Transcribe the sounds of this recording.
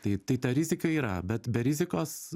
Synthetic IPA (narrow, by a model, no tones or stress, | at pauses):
t̪ɐɪt̪ɐɪt̪ɐɾʲɪzʲɪkɐiːɾɐ̰bʲɛt̪bʲɛɾʲɪzʲɪkoːs